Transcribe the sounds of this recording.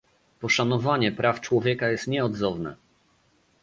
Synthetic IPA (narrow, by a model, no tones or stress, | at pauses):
pɔʂanɔvaɲɛpɾaft͡ʂwɔvʲjɛkajɛst̪ɲɛɔd̪zɔvnɛ̰